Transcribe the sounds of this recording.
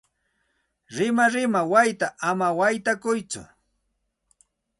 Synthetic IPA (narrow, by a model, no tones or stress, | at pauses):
ɾɪmaɾɪmawajt̪aʔamawajt̪akʊjt͡sʊ̰